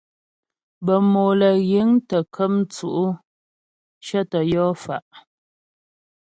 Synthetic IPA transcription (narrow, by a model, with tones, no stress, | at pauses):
bə˨mo˨lə˨ɣe˨˦ŋtə˨kʰə˦mt͡su˨ʔu˦ | ʃə˦tə˨jɔ˦fa˨ʔ